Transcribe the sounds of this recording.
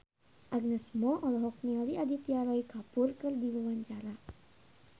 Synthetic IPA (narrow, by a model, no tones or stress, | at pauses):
ʔaɡ̚nɛsmɔʔɔlɔɦɔk̚nɛɔɾiʔadit̪iaɾɔjkapʊrkɨrdiwawaɲt͡ʃaɾa